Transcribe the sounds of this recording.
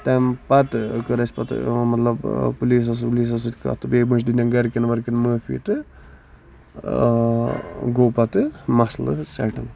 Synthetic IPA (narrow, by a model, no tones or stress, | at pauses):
t̪ɛmpɐt̪ɨkəɾɐsʲpɐt̪mɐt̪lɐbpuliːs̬ɐs̬puliːs̬ɐs̬ɨt̪ʲkɐ̰t̪ɨbeːmɐt͡ʃd̪inʲɐnɡɐɾkɐnʋɐɾkinməːfḭːt̪ɨ | ɡoːpɐt̪ɨmɐslɨsɛʈɐn